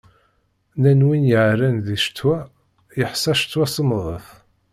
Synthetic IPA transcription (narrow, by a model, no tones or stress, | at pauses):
nænwinjəʕɾænðiʃt̪ːwæ | jəħsˤɑʃt͡s̪ːwæsəmðˤə̰θ